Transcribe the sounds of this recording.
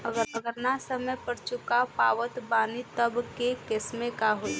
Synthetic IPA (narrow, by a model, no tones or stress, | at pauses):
əɡəɾəɡəɾnasəməjpəɾt͡ʃʊkapaːʋət̪baːnit̪əbkekɪsmẽkaɦoi